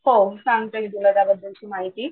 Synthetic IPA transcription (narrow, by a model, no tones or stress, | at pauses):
hosãŋɡt̪əɦid̪uləɾjabəd̪ʱːəlt͡ɕiːmaɦit̪iː